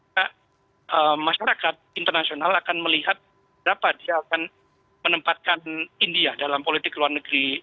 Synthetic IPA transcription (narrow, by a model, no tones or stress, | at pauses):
a | ʔəmːaʃaɾakat̪̚int̪ərnasionalakanməliɦat̪̚ | əbəɾapadiaːkan | mənəmpat̪̚kanindiadalampolit̪ɪkluarnəɡɾi